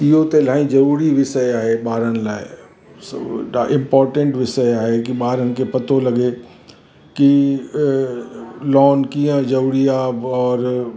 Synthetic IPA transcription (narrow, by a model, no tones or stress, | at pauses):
ɪɦot̪elãːĩzɐɾuːɾiʋɪsəjaːɦeɓaːɾənɪ̆laːɪ | saʔɪ̃mpɔːɾʈə̃ɳʈʋɪsəjaːɦekiɓaːɾənɪ̆kepɐt̪olɐɡe | ki | lɔːnkijə̃zɐɾuːɾiaːbɔːɾ